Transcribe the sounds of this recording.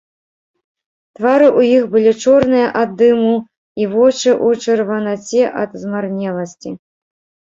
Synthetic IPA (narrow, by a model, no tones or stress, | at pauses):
t̪vaɾɨʔujixbɨlʲit͡ʂɔrnɨjɐʔad̪ːɨmu | ivɔt͡ʂɨʔut͡ʂɨrvɐnat͡sʲɛʔɐd̪zmarnʲɛlˠɐsʲt͡sʲi